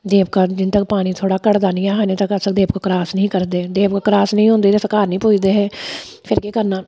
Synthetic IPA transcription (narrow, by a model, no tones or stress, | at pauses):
d̪eːp̚kaːd͡ʒɪnt̪ək̚paːɽ̃iːt̪ʰoːɽaːkəɽd̪aːnĩːaːɦaneːt̪əkəsəkd̪eːb̚kokɾaːsnəɦĩːkəɾd̪eːd̪eːpkokɾaːsnəɦĩɦõːnd̪eːesəkaːɾnəɦĩːpuːd͡ʒd̪eːɦɛː | pʰɪɾkeːkəɾnaː